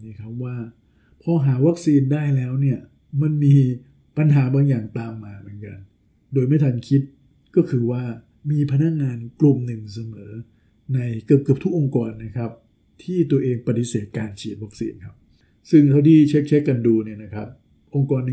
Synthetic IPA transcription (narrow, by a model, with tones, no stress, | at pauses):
nː˦˥˩kʰa˦˥p̚waː˥˩ | pʰɔ˦˥ɦaː˩˦wa˦˥k̚siː˧ndaː˥˩jlɛː˦˥wni˥˩ɐ | ma˧nmiː˧ | pa˧nɦaː˩˦baː˧ŋjaː˨˩ŋt̪aː˧mːaː˧mɯ˩˦nka̰˧n | doː˧jma˥˩jt̪ʰa˧nkʰi˦˥t̪̚ | kɔː˥˩kʰɯː˧waː˥˩ | miː˧pʰa˧na˦˥k̚ŋaː˧nklu˨˩mnɯ˨˩ŋs̬a˧mɤː˩˦ | na˧jkɯ˨˩p̚kɯ˨˩p̚t̪ʰu˦˥k̚ʔo˧ŋkɔː˧nːa˦˥kʰa˦˥p̚ | t̪ʰiː˥˩t̪u˧ɐʔeː˧ŋpa˧t̪i˦˥seː˨˩t̪̚kaː˧nt͡ɕʰiː˨˩t̪̚wa˦˥k̚sḭː˧nkʰa˦˥p̚ | sɯ˥˩ŋt̪ʰa˥˩wt̪ʰiː˥˩t͡ɕʰe˦˥k̚t͡ɕʰe˦˥kːa˧nduː˧ni˥˩ɐna˦˥kʰa˦˥p̚ | ʔo˧ŋkɔː˧nː˧